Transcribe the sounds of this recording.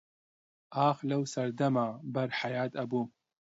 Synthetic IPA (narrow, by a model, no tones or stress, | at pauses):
ʔaːxlɐwsɐɾd̪ɐmaːbɐɾħajaːt̪ɐbum